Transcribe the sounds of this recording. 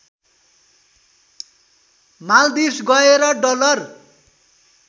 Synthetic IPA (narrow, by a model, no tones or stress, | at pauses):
mald̪isɡʌeɾʌɖʌlʌr